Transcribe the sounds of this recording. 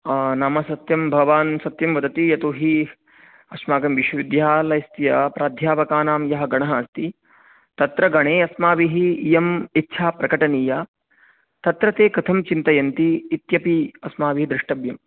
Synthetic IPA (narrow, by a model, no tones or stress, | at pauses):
naːmɐsɐt̪jɐmbʱɐɡɐʋaːnsɐt̪jɐmʋɐd̪ɐt̪ijɐt̪oːɦi | ɐʃmaːɡɐmʋiʃwɐʋid̪ʱjaːlɐjst̪ijɐpɾaːd̪ʱjaːʋɐkaːnaːmjɐɦɐ̆ɡɐɳ̃ɐɦaːst̪i | t̪ɐt̪ɾɐɡɐɳ̃eːɐsmaːʋiɦijɐmit̪ːʃʰaːpɾɐkɐʈɐniːjaː | t̪ɐt̪ɾɐt̪eːkɐt̪ʰɐmt͡ʃint̪ɐjɐnt̪iːt̪jɐpiɐsmaːʋiɦid̪ɾɪʂʈɐbjɐm